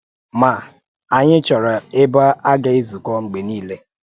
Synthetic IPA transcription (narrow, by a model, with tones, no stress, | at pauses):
ma˨ | a˨ɲɪ˦t͡ʃɔ˨ɾa˨ɪ˦ba˦a˦ɡa˦i˦zu˨kɔ˦ŋ͡m̩˨ɡ͡be˨niː˦le˦